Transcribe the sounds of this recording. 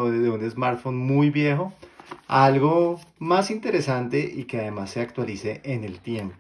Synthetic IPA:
ðeune̞zmaɾt̪fonmujβje̞xo̞alɣomasint̪e̞ɾe̞sant̪e̞ʔikeaðe̞masːe̞akt̪walise̞ʔːne̞lt̪je̞mp

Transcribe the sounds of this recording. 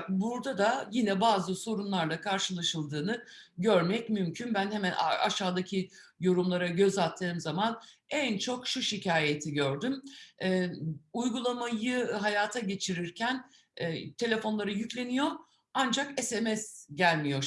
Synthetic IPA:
buɾd̪ad̪ajinɛbaːzɯso̞ɾunlˠaɾlˠakʰaɾʃɯlˠaʃɯlˠd̪ɯːnɯɟø̞ɾmɛcmymcʰynbænhemænʔa̰ʃaːd̪acʰijo̞ɾumlˠaɾaɟø̞zalˠt̪ʰːɯːmzamanɛnt͡ʃʰo̞kʃuʃicʰaːjet̪ʰiɟøɾd̪ymɛujɡulˠamajɯɦajaːt̪ʰaɟe̞t͡ʃʰiɾiɾcʰænː | t̪ʰe̞lʲe̞fo̞nlˠaɾɯjyclʲe̞nijo̞ | and͡ʒakɛsemɛsɟælʲmijo̞

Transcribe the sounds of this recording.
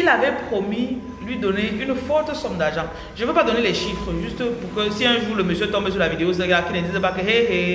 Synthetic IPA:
ilavɛpχomi | lɥid̪ɔneʔynfɔʁt̪əsɔ̃md̪aʒɑ̃ | ʒəvøpad̪ɔnelɛʃifχəʒyst̪puʁkəsiɛ̃ʒuːʁləmøsjøt̪ɔ̃mbes̬yʁlavid̪eozəɡakinəd̪izɛpakəɦeɦe

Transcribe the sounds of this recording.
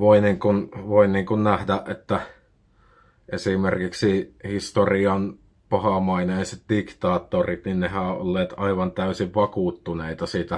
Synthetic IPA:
ʋoiniːŋkunʋoinniːŋkunnæhdæʔʔet̪ːæ | ʔesimerkiksihist̪oriɑn | pɑhɑmɑineˑiset̪̚dikt̪ɑːt̪ːorit̪ninnehæˑoʔo̰lːeːt̪ɑiʋɑnt̪æysiʋʋɑkuːt̪ːuneit̪ɑsiːt̪æ

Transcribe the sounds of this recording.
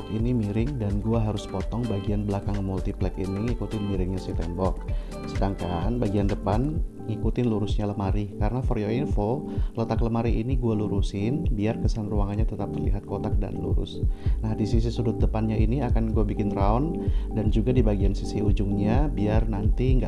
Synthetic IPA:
kinimiɾɪŋdanɡuaɦaɾʊspɔt̪ɔŋbaɡianbəlakaŋmult̪iplɛkiniŋikut̪ɪnmiɾɪŋɲasit̪ɛmbɔk̚ | sədaŋkanbaɡiandəpan | ŋikut̪ɪnluɾʊsɲaləmaɾikaɾənafoɾioinfolət̪akləmaɾiʔiniɡualuɾusɪnbiarkəsanruaŋanɲat̪ət̪ap̚əlḭɦat̪̚kot̪ak̚da̰nlṵɾʊ̰snahdisis̬isudʊt̪̚dəpanɲaʔiniakanɡuabikɪnɾaɔndand͡ʒuɡadibaɡiansisiud͡ʒʊŋɲabiarnant̪iŋɡa

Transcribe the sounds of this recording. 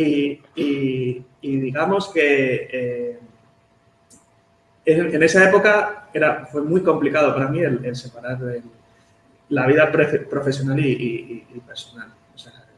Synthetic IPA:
ii | iðiɣamo̞ske̞e | ee̞ne̞sae̞po̞kae̞ɾafwe̞mwujko̞mplikað̞o̞paɾamie̞le̞lse̞paɾaɾel | laβ̞iðapɾefpɾo̞fe̞sjo̞naliːpe̞ɾso̞nal | osea

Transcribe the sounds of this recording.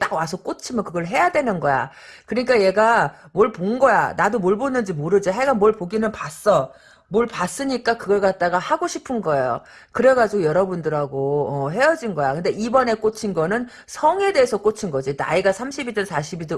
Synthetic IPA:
t͈aɡwasʰʌk͈ot͡ɕʰimjʌkɯɡʌɭɦe̞jadwe̞nɯnɡʌja̰ | kɯɲik͈aje̞ɡa | moɭponɡʌja̰nadomoɭbonːɯnd͡ʑimoɾɯd͡ʑoɦe̞ɡamʌɭpoɡinɯnpas͈ʌ | moɭpas͈ɯɲik͈akɯɡʌɭkat̚t͈aɡahaɡoɕʰipʰɯnɡʌe̞jo̰ | kɯɾe̞ɡad͡ʑiɡojʌɾʌbundɯɾaɡoʌɦe̞jʌd͡ʑinɡʌjakɯnde̞ibʌne̞k͈ot͡ɕʰinɡʌnɯn | sʰʌŋe̞de̞ːsʰʌk͈ot͡ɕʰinɡʌd͡ʑina̰iɡasʰamɕʰibid͡ʑʌnsʰaɕʰibido

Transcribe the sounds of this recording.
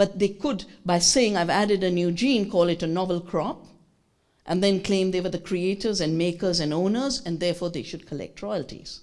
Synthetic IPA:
b̥ʌt̪̚d̪eːkʊdbaɪseːɪ̃ŋaɪvæɾɪdənjuːd͡ʒĩːnkʰɔːlɪʈənɔvəlkʰɹ̥ɔp | ʔɛ̃nd̪ɛ̃nklẽɪ̃md̪eːʋəd̪əkʰɾieʈəɾzɨ̃nmeɪkəzæ̃nõːnəzɨ̃nd̪ɛːfɔːɾd̪eːʃʊd̚kʰəlɛ̰k̚ʈʰɹɔɪəltḭz̥

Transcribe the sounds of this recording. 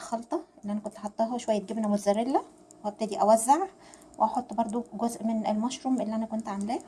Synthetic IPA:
xɑlt̪ˤɑʔelːiʔænækont̪ʔɑħɑt̪ˤːɑːɦɑʃowæjːæt̪̚ɡebnæmot̪zæɾelːæ | weʔæb̚t̪ed̪iʔæwæzːaʕ | weʔɑħot̪ˤːbɑɾˤd̪ˤuɡozʔmenelmɑʃɾˤumʔelːiʔænækont̪ʕamelæː

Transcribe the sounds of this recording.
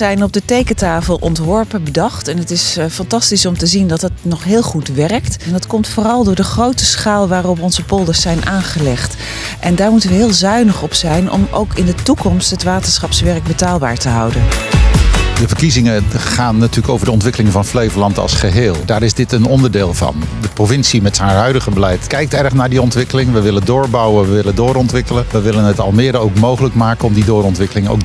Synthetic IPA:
ɛjnɔb̚dətejkətaːfəlˠʔɔ̰ntʋɔɹpənbədɑχtɛnətɪsfɑntɑstisɔmtəzindɑt̚dɑtnɔχɦɪːlˠχutʋɛrktndɑtkɔmtfʊːrɑlˠdʊːɹdəχrowtəsχaːlˠʋaːrɔpɔnzəpɔlˠdəsɛjnʔaːnχəlɛχt | ʔɛndaːɹmutənʋəɦɪːlˠzœɥnəχɔpsɛjnɔ̰mʔo̰wkɪndətukɔmstɦətʋaːtəsχɑpsʋɛɹək̚bətaːlˠba̰ːɹtəɦɑ̰wdən | dəvəɹkizɪŋəχaːnːatyːɹləkowvəɹdəɔntʋɪkəlɪŋvɑnflejvəlɑntɑ̰lˠsχəɦeːlˠdaːɾɪzdɪtənɔndəɹdeːlˠvɑ̰ndəprovɪnsimɛtsənɦœɥdəχəbəlɛjtkɛjk̚tɛɹχnaːɹdiɔntʋɪkəlɪŋʋəʋɪləndʊːɹbɑwənʋəʋɪlədʊːɾɔntʋɪkələnʋəʋɪlənɦətɑ̰lˠmɪːdəowkmowχələkmaːkənɔmdidʊːɾɔntʋɪkəlɪŋo̰wk̚

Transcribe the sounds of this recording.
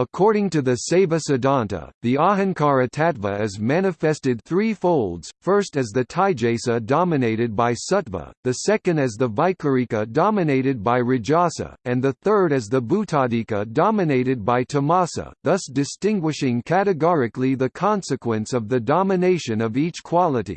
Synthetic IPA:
əkʰɔɹɾɪ̃ŋtɨðɨseɪvɨsɨdɑ̃ntə̰ðiɑɦɨ̃nkʰɑɹɨtʰætvəɨzmæñɨfɛstɨd̪̚θɹifoʊlˠdz̥fɜ˞stɨzðɨtʰaɪd͡ʒeɪsɨdɑmɨneɪɾɨd̚baɪsʌtvə̰ðɨsɛkɨ̃ndɨzðəvaɪkə˞ikɨdɑmɨneɪɾɨd̚baɪɹɨd͡ʒɑsə̰ɨ̃nðɨθɜ˞ɾɨzðəbutʰɑdikədɑmɨneɪɾɨd̚baɪtʰəmɑsə̰ðʌsd̥ɨstɪ̃ŋɡwɨʃɪ̃ŋkʰæɾɨɡɔɹɨkliðɨkʰɑ̃nsɨkʰwɨ̃nsʌvðɨdɑmɨneɪʃɨ̃nʌvit͡ʃkʰw̥ɑlˠəɾḭ

